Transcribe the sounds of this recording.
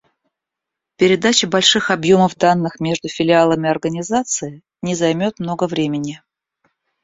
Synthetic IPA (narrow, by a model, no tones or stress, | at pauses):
pʲɪɾʲɪd̪at͡ɕɪbɐlʲʂɨxɐbjo̞məvd̪anːɨxmʲe̞ʐd̪ʊfʲɪlʲɪalˠəmʲɪɐrɡənʲɪzat̪sɨɪ | nʲɪzɐjmʲo̞t̪mno̞ɡəvɾʲemʲɪnʲɪ